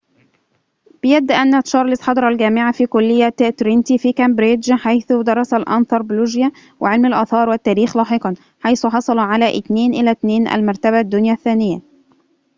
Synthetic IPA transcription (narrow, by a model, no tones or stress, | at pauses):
b̥ɪjæd̪ːʔænːæt̪ʃɑɾˤlɪsħɑd̪ˤɑɾˤɑlɡæːmɪʕafiːkʊlːɪjːæt̪t̪ɾint̪ifiːkæmbɾɪdd͡ʒħajθʊd̪ɑɾˤːɑsælʔɑ̰nθˤɑɾˤbluʒjæ | wʔɪʕelmalʔɑːθɑːɾˤwɪt̪ːæːɾiːxlɑːħeqɑn | ħajθʊħɑsˤɑlɑʕalæʔɪt̪neːnʔɪlæt̪neːnʔæ̰lmɑɾˤt̪æbæd̪ːʊnjæθːæːnɪjːæ